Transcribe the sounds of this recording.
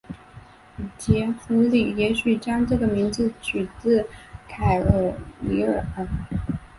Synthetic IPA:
t͡ɕjɛ˧˥fʰu˧˥li˥˩jɛ˧˥ɕy˨˩t͡ɕjɑ˥ŋʈ͡ʂɤ˥˩ɡə˩mi˧˥ŋd͡zɹ̩˧t͡ɕʰy˨˩t͡sɹ̩˥˩kʰa˨˩ɪə˧˩li˧˥ə˞˨˩ə˨˩

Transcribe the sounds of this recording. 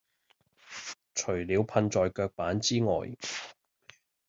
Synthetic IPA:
t͡ʃʰɵ˨˩ɥliː˨˧wpʰɐ˧nt͡sɔː˨jkœː˧k̚paː˨˥nt͡siː˥ŋɔ̰ː˨j

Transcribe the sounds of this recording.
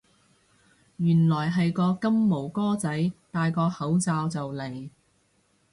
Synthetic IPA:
jyː˨˩nlɔː˨˩jɦɐ˨jkɔː˧kɐ˥mːo˨˩wkɔː˥t͡sɐ˨˥jt̪aː˨˧jkɔː˧hɐ˨˥wt͡saː˧wt͡sɐ˨wle˨˩j

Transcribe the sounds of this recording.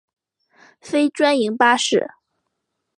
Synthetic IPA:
fe˥ɪʈ͡ʂwa˥ni˧˥ŋpa˥ʂɻ̩˥˩

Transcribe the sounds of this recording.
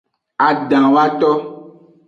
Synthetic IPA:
a˨ɖã˨wa˦t̪ɔ˦

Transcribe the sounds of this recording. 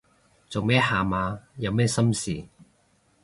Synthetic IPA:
t͡so˨wmɛː˥˩haː˨maː˨˧jɐ˨˧wmɛː˥sɐ˥msiː˨˩

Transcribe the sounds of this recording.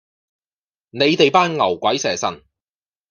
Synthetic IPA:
ne˨˧jt̪e˨jpaː˥nŋɐ˨˩wkʷɐ˨˥jsɛː˨˩sɐ̰˨˩n

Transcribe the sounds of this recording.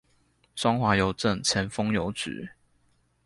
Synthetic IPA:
swɑ˥ŋxwa˨˥jo˨˦ʊʈ͡ʂə˥˨ŋt͡ɕʰjɛ˨˥nfɤ˥ŋjo˧˥ʊt͡s̩˨˩˦

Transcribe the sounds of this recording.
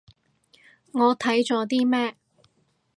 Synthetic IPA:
ŋɔː˨˧t̪ʰɐ˨˥jt͡ʃɔː˨˧˥t̪iː˥mɛː˥

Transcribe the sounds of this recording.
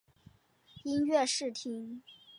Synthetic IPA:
i˥nɥɛ˥˧ʂɻ̩˥˩t̪ʰi˥ŋ

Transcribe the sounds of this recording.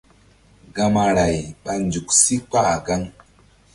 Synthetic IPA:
ɡa˧ma˧ɾa˨jɓa˧nd͡ʒu˨ksi˦k͡pa˦˨ɡa˦ŋ

